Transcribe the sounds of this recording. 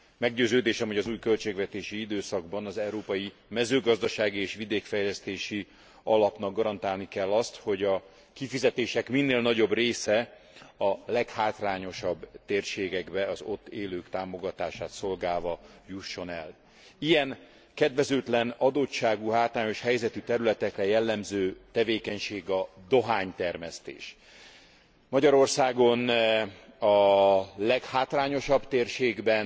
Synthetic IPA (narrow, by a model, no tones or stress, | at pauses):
mɛɡɟøːzøːd̪eːʃɛmhoɒzuːjkø̞lt͡ʃeːɡvɛt̪eːʃiid̪øːsɒɡbɒnɒzɛuɾoːpɒji | mɛzøːɡɒzd̪ɒʃaːɡieːʃʋid̪eːkfɛjlɛst̪eːʃi | ɒlɒpn̪ɒɡɡɒɾɒnt̪aːlnikɛlːɒst̪ho̞ɟɒ | kifizɛt̪eːʃɛkminːeːlnɒɟo̞breːsɛ | ɒlɛkhaːt̪raːɲo̞ʃɒbːt̪eːrʃeːɡɛɡbɛɒzo̞t̪ːeːløːkt̪aːmo̞ɡɒt̪aːʃaːt̪so̞lɡaːlvɒjuʃːo̞nɛl | ijɛŋ | kɛd̪vɛzøːt̪lɛnɒd̪ott͡ʃaːɡuɦaːt̪raːɲo̞ʃhɛjzɛt̪yt̪ɛɾylɛt̪ɛkrɛjɛlːɛmzøːt̪ɛveːkɛɲʃeːɡɒd̪o̞ɦaːɲt̪ɛrmɛst̪ḛːʃ | mɒɟɒɾo̞rsaːɡo̞n | ɒlɛkhaːt̪laːɲo̞ʃɒbt̪eːrʃeːɡbɛn